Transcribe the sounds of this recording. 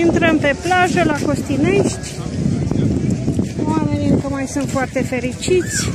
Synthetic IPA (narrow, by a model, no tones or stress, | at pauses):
int̪ɾəmpe̞plaʒəlako̞st̪ine̞ʃt̪ʲ | wame̞niɨŋkəmajsunt̪foart̪e̞fe̞ɾit͡ʃit̪sʲ